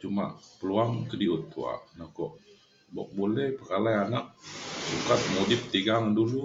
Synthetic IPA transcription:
t͡ʃuma̰ʔpəluaŋkədiut̪ʰːṵa̰ʔnakɔʔ | bɔ̰ʔ̚bolɛhpəkalajanak̚bukat̪̚modɪp̚t̪iɡaŋdulu

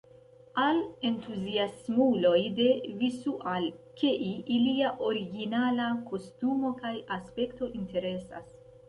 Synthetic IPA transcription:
ale̞ntuziasmulo̞jde̞visuʔalkeʔiiliaʔo̞ɾiɡinalako̞stumo̞kajaspe̞kto̞ʔinte̞ɾe̞sa̰s

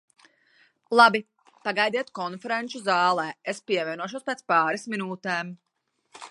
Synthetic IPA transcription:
lˠabi | paɡajd̪iɛt̪kɔnfɛɾent͡ʃuzaːlˠɛːespiɛvʲiɛnuɔʃ̬uɔspeːt̪paːɾɛsminuːt̪ɛːm

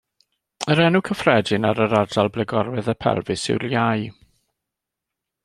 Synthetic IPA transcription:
əɾɛnʊkʰəfrɛdɪnaɾəɾadalˠblɛɡɔɾwɛðəpʰɛ̰lˠvɨsɪ̰wljaj

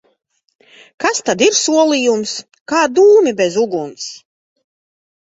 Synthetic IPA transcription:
kast̪ad̪iɾsuɔlˠijums | kaːd̪uːmibɛzuɡuns

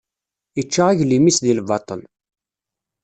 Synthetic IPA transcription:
jit͡ʃːaʁaʝlimisðilvɑt̪ˤə̰l

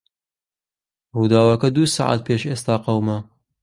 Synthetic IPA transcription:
ruːd̪aːwɐkɐd̪uːsa̰ʕa̰t̪̚pʰeːʃeːst̪aːqɐwmɐ

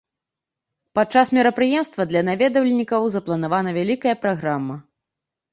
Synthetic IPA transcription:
pat̪̚t͡ʂasmʲɛɾɐpɾɨjɛmst̪vɐd̪lʲɐnavʲɛd̪ɐwlʲɛnʲikɐwzɐplˠɐn̪avanɐvʲalʲikɐjɐpɾaɣɾamːɐ

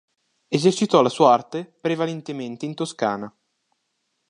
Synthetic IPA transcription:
ezert͡ʃit̪ɔlasuːaart̪epɾevalent̪ement̪eint̪oskaːna

